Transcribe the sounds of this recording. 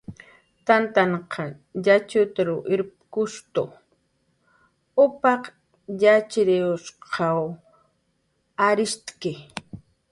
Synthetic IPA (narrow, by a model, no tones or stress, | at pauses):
t̪ant̪aɴqʰɑ | jat͡ʃʊt̪aɾʊʔɪɾpkʊʃt̪ʊ | ʊpɑq | jat͡ʃɾɪʊsqʰɑw | aɾɪst̪kɪ